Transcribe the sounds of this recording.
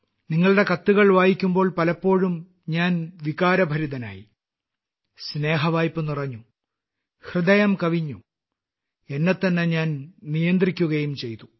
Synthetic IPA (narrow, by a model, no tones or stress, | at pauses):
niŋːɐɭɽe̞kɐt̪ːuɣɐɭʋaːjikʲːumbo̞ːɭpɐlɐpːo̞ːɻum | ɲaːnʋikaːɾɐbʱɐɾud̪ɐna̰ːjḭ | sne̞ːɦɐʋaːjpːɨnurɐɲːu | hrɨd̪ɐjɐmkɐʋiɲːu | e̞nːet̪ːɐnːeɲaːnnijɐnd̪rikʲːuɣɐjumt͡ɕe̞jt̪u